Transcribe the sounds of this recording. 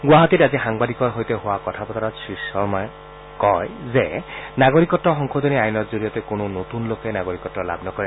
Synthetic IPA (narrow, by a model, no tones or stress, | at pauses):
ɡwaɦɔt̪itazixaŋbad̪ikɔɹɦojt̪eɦʊwakɔt̪ʰapɔt̪aɾasisɔɹmɔj | kɔjzenaɡoɹikɔtːɔxɔŋkʰod̪oniajnɔtzoɹijɔt̪ekonunot̪unlokenaɡoɹikɔtːɔɹla̰bnɔkɔɹi